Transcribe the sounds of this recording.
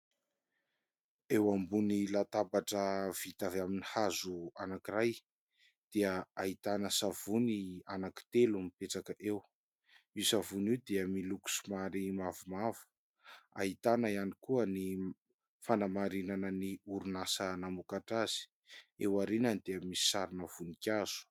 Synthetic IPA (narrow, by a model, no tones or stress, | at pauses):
ewambunilat̪abaʈ͡ʂəv̥it̪avaminihazuanakiraj | d̪̥eəait̪anəsav̥unianaki̥t̪elumipeʈ͡ʂakəʔew | isavuniwd̪eəmiluku̥sumaɾimavumavu̥ | a̰ɦit̪anəianikuəni | fanamaɾinanəniuɾunasənamukaʈ͡ʂaz̥i̥ | ewaɾinənd̪eəmisi̥saɾinəv̥unikʲaz̥u̥